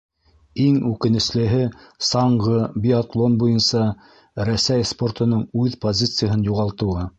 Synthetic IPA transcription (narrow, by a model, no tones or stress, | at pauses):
iŋʉkɘ̆nɘ̆slɘ̆ɦɘsɑɴʁɤbʲiat̪lˠonbujɤnsɑ | ɾæsæjspo̞rt̪ŏnɤɴʉðpozʲit̪sɨjaɦɤnjuʁɑlˠt̪ɤ̆wɤ